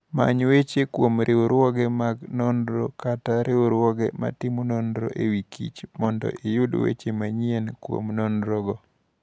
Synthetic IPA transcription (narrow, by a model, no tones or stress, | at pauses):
ma̰ɲwet͡ʃekwomɾʔeoɾwɔɡɛmaɡnɔndɾɔ̰kataɾeoɾwɔɡɛma̰tɪmonɔndɾɔ̰ʔewikʰḭt͡ʃmɔndɔ̰ʔejʊdwḛt͡ʃemaɲienkwo̰mnɔnɾɔɡɔ